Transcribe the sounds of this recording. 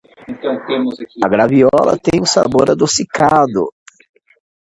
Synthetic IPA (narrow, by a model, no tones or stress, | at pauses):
t̪ | ɐɡɾaviɔlɐ̰t̪ẽj̃ʊsa̰boɾad̪osikad̪ʊ̰